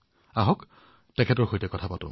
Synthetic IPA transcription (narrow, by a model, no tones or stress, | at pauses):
aɦɔk | tɛkʰɛtɔɹxojtɛkɔtʰapatʊ̰